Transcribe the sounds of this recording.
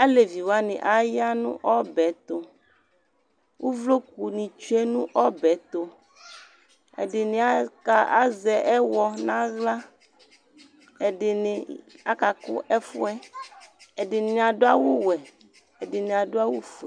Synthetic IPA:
a˦le˨vi˨wa˦nɪ̰̃˨ʔa˦ja˦nṵ̃˦ʔɔ˦bɛ˨˦t̪o˦ | wʔo˦vlo˦ku˨nĩ˨t͡ʃu˦e˦nũ˦ʔɔ˦bɛ˨˦t̪o˦ | ḛ˨dɪ˨nɪ̃˨a˦ka˦˨a˦zɛ˨ʔɛ˦wɔ˦nã˦ɣla˦ | e˨ɖɪ˨nɪ̃˨a̰˦ka˨kʊ̰˦ʔɛ˦fʊ˦ɛ˦ | e˨dɪ˨nɪ̃˨a˨ɖo˦a˦wo˦wɛ˨ | e˨dɪ˨nẽ˨a˨ɖo˦a˦wo˦fu˨ɛ˨

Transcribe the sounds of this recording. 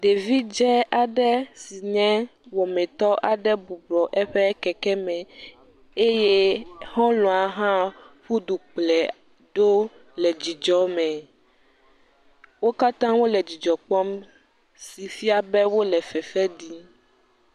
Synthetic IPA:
ɖe˨vi˦d͡ʒɛ˦a˨ɖɛ˦si˨ɲɛ̃˦wɔ˨mɛ̃˨t̪ɔ˦ʔa˨ɖɛ˦bu˨blɔ˨ʔɛ˦ɸɛ˦kɛ˨kɛ˦mɛ̃˨ | e˦je˦hɔ̃˦lɔ̃˨a˨ɦã˦ɸu˦ɖu˨k͡plɛ˨ | ɖo˦ | lɛ˨d͡ʑi˨d͡ʒɔ˦mɛ̃˨ | wo˦ka˦t̪ã˦wo˦lɛ˨d͡ʑi˨d͡ʒɔ˨k͡pɔ˦m | si˨fi˦a˨bɛ˦wo˦lɛ˨fɛ˨fɛ˦ɖi˦

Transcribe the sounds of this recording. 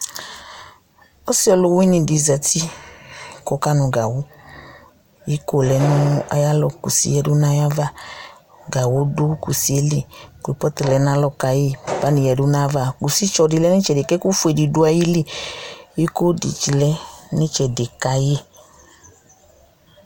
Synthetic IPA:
ɔ˦si˦ɔ˧lo˨˧wi˦ni˨di˨za˨ti˦ | kɔ˨˦ka˦˨nu˧ɡa˨wo˦ | i˦ko˦˨lɛ˨˦nũ˦a̰˧ja˦lɔ˧ku˨sḭ˨jɛ˧du˦na˧˦ja˦va˦˨ | ɡa˨wo˦do˦ku˨si˨˦e˦li˦˨ko˨i˨pɔ˦ti˨lɛ˨˦n˦a˦lɔ˦ka˨je˦pa˦ni˨jɛ˨du˦na˦va˦˨ku˨si˦t͡ʃɔ˨di˨˧lɛ˦ni˦t͡ʃɛ˨de˨kɛ˦ku˦fu˦e˨di˨du˧˦a˧ji˦li˦˨i˦ko˦dḭ˨t͡ʃi˨lɛ˦ni˦t͡ʃɛ˨de˨ka˧je˦

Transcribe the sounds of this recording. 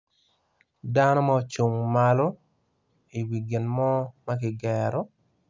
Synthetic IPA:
danɔ˦ma˦t͡ʃu˨ŋmalo˦ | i˨wi˨ɡɪ˨nmɔ˦ma˦k̬ɪ˨ɡɛɾɔ˦

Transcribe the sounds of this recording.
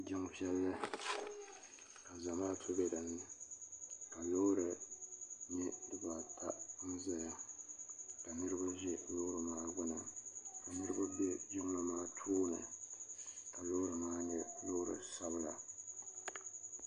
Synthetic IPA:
d͡ʒɪ˦ŋ˦pi˦ɛ˦lːɨ˦ | ka˨za˨maː˦tʰʊ˦bɛ˦da˨nː˦ɨ˨ | ka˨lo˦ɾɨ˨ | ni˦dɨ˨ba˨tʰa˦n̩˦za˨ja˦ | ka˨nɨ˦ɾɨ˦ba˦ʒɛ˦lo˦ɾɨ˨maː˦ɡ͡bʊ˦na˨ka˨nɨ˦ɾɨ˦ba˦bɛ˦d͡ʒʊ˦ŋ˦la˨maː˦tʰuː˦nɨ̰˨ | ka˨lo˦ɾɨ˨maː˦nɛ˦lo˦ɾɨ̰˨sa˦bɨ˦la˨

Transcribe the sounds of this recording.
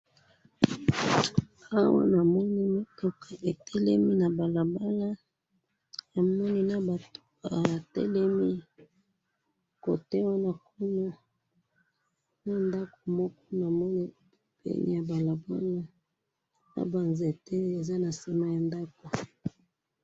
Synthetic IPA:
a˦wa̰˦na˨mɔ˦ni˦mi˦to˦kʰa˨ʔe˨tɛ˦lɛ˦mi˦na˨ba˨la˨ba˦la˦ | na˨mɔ˦ni˦na˦ba˨to̥˦ka˨a˨tɛ̰˦lɛ˦mi˦ | ko̰˨te˦wa˦na˦ko˦no˦ | na˦nda˦ko˨mɔ˦kɔ˦na˨mɔ˦ni˦˨ | pḛ˦nʔḭ˦ja˨ba˨la˨ba˦la˦ | na̰˨ba˨nze˨te˦e˨za˦na˨se˦ma˦ja˨nda˦ko˨

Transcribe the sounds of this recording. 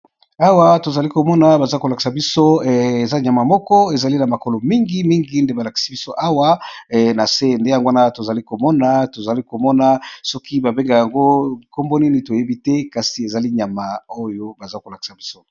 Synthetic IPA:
a˦wa˦to˨za˨li˦ko˨mɔ˦na˨ba˨za˦ko˨la˨ki̥˨sa˨bi˦so˦e˨za˦ɲa˨ma˨mɔ˦kɔ˦e˨za˨li˦na˨ma˨ko˨lo˨mi˦ŋɡi˦mi˦ŋɡi˦nde˦ba˨la˨ki̥˨si˦bi˦so˦ʔa˦wa˦˨na˨se˦˨nde˦ja˨ŋɡo˦a˦na˦to˨za˨li˦ko˨mɔ˦na˦to˨za˨li˦ko˨mɔ˦na˨˦sɔ˦ki˦ba˨be˦ŋɡa˨ja˨ŋɡo˦˨ko˦mbo˦ni˦ni˦to˨je˦bi˦tɛ˦ka˨si˨e˨za˨li˦ɲa˨ma˨o˦jo˦ba˨za˦ko˨la˨ki̥˨sa˨bi˦so˦

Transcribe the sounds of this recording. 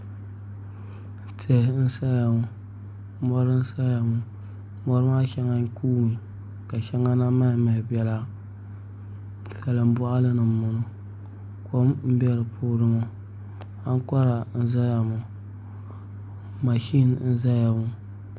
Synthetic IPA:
te˨n̩˦sa˦ja˨mu˨ | mɔ˦ɾɨ˦n̩˦sa˦ja˨mʊ˨ | mɔ˦ɾɨ˦ma˦ʃa˦ŋa˦n˦kʰuː˦ni˨ | ka˨ʃa˦ŋa˦na˦ma˦˨mɨ˨hbɛ˨la˦ | sa˨lɨ˨m̩˦bɔ˦ʔa˦lɨ˦nɨː˨ʊ˨nʊ˦ | kʰo˦mm̩˦bɛ˦ɾɨ˨pʰu˦ɾɨ˦mo˦ | ha˦ŋ˦kɔ˦ɾa˨n̩˦za˦ja˨mu˨ | ma˨ʃi˦nn̩˦za˦ja˨mu˦

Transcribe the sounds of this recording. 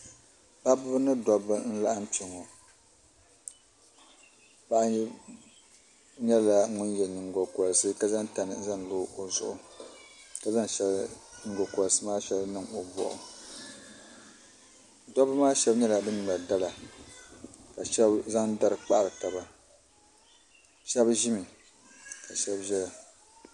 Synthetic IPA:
ba˦bʊ˦ɨ˦nɨ˦dɔ˦bɨ˦n̩˦la˦ʔa˦mt͡ʃi˨ŋo˨ | ba˦ʔ | ɲɛ˦la˨ŋʊ˦njɛ˨nɨ˨ŋɡo˨kɔ˨lsɨ˦ka˨za˦ŋta˨nɨ˨˦za˦ŋloː˦o˨zʊ̰˦ʔʊ˨ | ka˨za˦ŋʃɛ˦lnɨ˨ŋɡo˨kɔ˨ɾsɨ˦maː˦ʃɛ˦lnɨ˨ŋo˨bɔ̰˨ʔʊ̰˨ | dɔ˦bɨ˦maː˦ʃɛ˦bɲɛ˦la˨bɨ˦nɨ˨la˨da˦la˨ | ka˨ʃɛ˦bza˦ŋda˦ɾɨ˨k͡pa˦˨lɨ˨ka˨ba˨ | ʃɛ˦bʒi˦mi˨ | ka˨ʃɛ˦bʒɛ˦la˨

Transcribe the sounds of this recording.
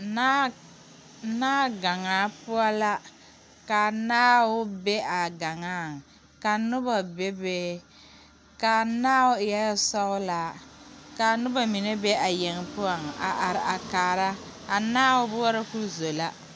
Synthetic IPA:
naː˦ɡa˨ŋaː˨˦pʊ˦a˦la˦ | ka˨naː˦wʊ˦be˦ʔa˨ɡa˨ŋaː˦˨ | ka˨nʊ˦ba˨be˦beː˦ | ka˨naː˦ʊ˦ɪ˨jɛ˦sɔ˦ɣʊ˦la˦ka˨nʊ˦ba˨mi˨ne˦be˦ʔa˨je˨ŋ˨pʊ˦ɔ˨ŋa̰˨ʔa˨ɾa˨kaː˨ɾa˦a˨naː˦wʊ˦bʊ˦ɔ˦ɾa˦ku˦zo˨la˦

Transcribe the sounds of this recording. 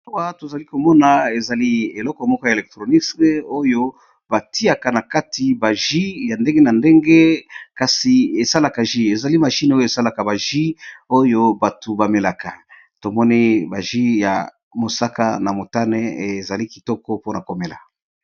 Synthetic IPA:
wa˦to˨za˨li˦ko˨mɔ˦na˨e˨za˨li˦e˨lɔ˦kɔ˨mɔ˦kɔ˦ja˨e˨lɛ˨k̚tʁo˨ni˦sko˦jo˦ | ba˨ti˦a˨ka˨na˨ka˦tʰi˨ba˨ʒi˦ja˨nde˦ŋɡe˦na˨nde˦ŋɡe˦ka˨si˨e˨sa˦la˨ka˨ʒi˦e˨za˨li˦ma˨ʃi˦n˦o˦jo˦e˨sa˦la˨ka˨ba˨ʒi˦o˦jo˦ba˨tu˨ba˨me˨la˨ka˨ | to˨mɔ˦ni˦ba˨ʒi˦ja̰˨ | mo˨sa˦ka̰˦na˨mo˨ta˦nɛ˦e˨za˨li˦ki˨tɔ˦kɔ˦po˦na˨ko˨me˨la̰˨

